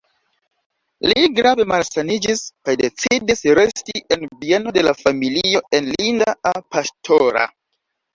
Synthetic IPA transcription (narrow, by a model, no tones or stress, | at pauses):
liɡɾave̞malsanid͡ʒiskajde̞t͡sidisɾe̞stie̞nbieno̞de̞lafamilio̞e̞nlindaapastʰo̞ɾa̰